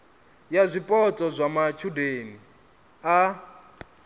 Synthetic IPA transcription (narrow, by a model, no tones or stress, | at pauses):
jazʷipʼɔt͡sʼɔzʷamat͡ʃʰudeni | a